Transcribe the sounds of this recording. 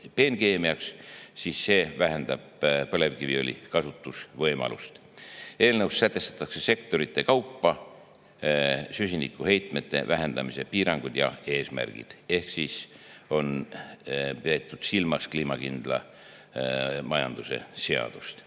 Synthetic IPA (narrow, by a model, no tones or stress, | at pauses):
pe̞ːnke̞ːmiɑkssiːsːe̞ːvæɦe̞nd̪̥ɑb̥̚pɤ̞le̞vkivio̞lʲḭkɑsut̪ˑːusvɤ̞jmɑ̰lṵst̪ | e̞ːlnewssæt̪ːˑe̞st̪ɑ̥t̪ːˑɑkse̞se̞kt̪o̞ɾit̪ˑːe̞kɑwpːɑ | sysinikːˑuhe̞jt̪me̞t̪ːe̞̰væɦe̞nd̪̥ɑmise̞piːɾɑŋɡ̥ud̪̥jɑ̰e̞ːsmæ̰rɡ̥ḭd̪̥e̞hksiːso̞n | pet̪ˑːud̪̥silmɑskliːmɑkind̪̥lɑ̰ | mɑjɑ̰nd̪̥use̞̰se̞ɑ̰d̪̥ust̪